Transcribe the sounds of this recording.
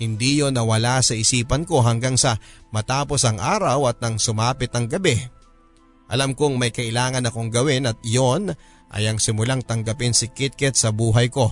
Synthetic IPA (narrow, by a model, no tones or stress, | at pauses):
hɪnd̪ijonːɐwɐlasɐʔɪsiːpɐnko̞ɦɐŋɡaŋsɐmɐt̪aːpo̞sɐŋʔaːɾɐwɐt̪̚nɐŋsʊmaːpɪt̪ɐŋɡɐbɛ | ʔɐ̰lamkoŋmɐjkɐʔɪlaːŋɐnɐko̞ŋɡɐwɪnɐt̪̚jon | ʔɐ̰jɐŋsɪmʊlaŋt̪ɐŋɡɐpɪnsɪkɪt̪̚kɛt̪̚sɐbuːɦɐjko̞